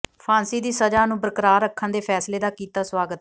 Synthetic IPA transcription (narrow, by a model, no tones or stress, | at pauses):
pʰãːnsiːd̪iːsəd͡ʒaːnũːbəɾəkəɾaːɾəkʰːənd̪eːpʰɛːsleːd̪aːkiːt̪aːswaːɡət̪̚